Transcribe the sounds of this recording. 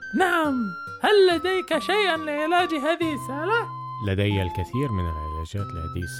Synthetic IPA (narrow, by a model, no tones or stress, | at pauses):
naʕam | halːad̪ajkaʃajʔanlɪʕɪlaːd͡ʒiɦaːðɪhɪsaːla | lad̪ajalkɪθiːɾmɪna̰lʕɪ̰la̰ːd͡ʒaːt̪ɪlʕa̰d̪ḭːs